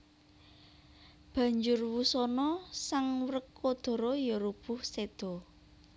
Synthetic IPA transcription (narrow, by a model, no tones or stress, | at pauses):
b̥ä̤ɲd͡ʒʊrwusɔnɔsaŋwrəkːod̪̥ɔ̤ɾɔjɔɾub̥ʊhsed̪̥ɔ̤